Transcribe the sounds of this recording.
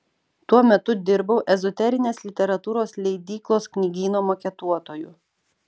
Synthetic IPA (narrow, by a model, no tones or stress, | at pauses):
t̪uɔmʲɛt̪ʊd̪ʲɪɾbɐʊʔɛzɔt̪ʲɛɾʲɪnʲeːslʲɪt̪ʲɛɾɐt̪uːɾoːslʲɛɪd̪ʲiːklˠoːsknʲiɡʲiːnoːmokʲɛt̪uɔt̪oːjʊ